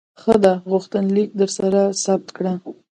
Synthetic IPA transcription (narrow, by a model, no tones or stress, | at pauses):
xəd̪aɣʊxt̪ənlik̚d̪əɾsaɾasab̚t̪kɽa